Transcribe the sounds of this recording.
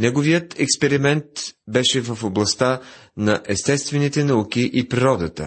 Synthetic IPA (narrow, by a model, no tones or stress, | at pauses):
nɛɡovijət̪ɛkspɛɾimɛnt̪bɛʃɛvəfoblˠɐst̪anɐʔɛst̪ɛst̪vɛnit̪ɛnɐukiʔipɾiɾɔd̪ət̪ə̰